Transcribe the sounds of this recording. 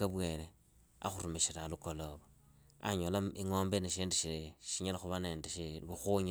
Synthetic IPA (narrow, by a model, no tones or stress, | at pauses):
aβweːɾe | a̰xuɾumiʃiɾalukoloβo | a̰ɲolaiŋoːmbeniʃiːndiʃiɾeʃiɲalaxuβaneːndeʃiβuxuɲ